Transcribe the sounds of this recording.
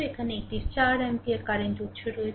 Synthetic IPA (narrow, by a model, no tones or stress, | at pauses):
ekʰaneek̚ʈist͡ɕaɾɛmpieɾkaɾend͡ʑot̪ːʃʰeɾoe